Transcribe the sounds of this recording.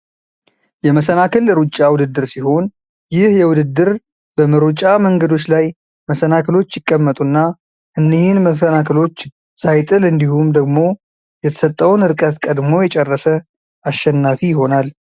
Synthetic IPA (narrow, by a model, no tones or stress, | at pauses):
jɛməsənakɨlɾut͡ʃʼːawʊd̪ɨd̪ːɨɾsiho̞n | jɪhjɛwʊd̪ɨd̪ːɨɾ | bəməɾut͡ʃʼaməŋɡəd̪o̞t͡ʃːlaj | məsənakʰɨlo̞t͡ʃːjɪkʼːəmːət̪ʼunːa | ʔɨnːihinməs̬ənakʰɨlo̞t͡ʃː | sajt̪ʼɨlɨnd̪ihumd̪əɡmo̞ | jɛt̪ʰə̥sət̪ʼːəwnɨɾkʼət̪kʼəd̪mo̞jɛt͡ʃʼɛrːəsə | aʃːɛnːafijɪho̞nal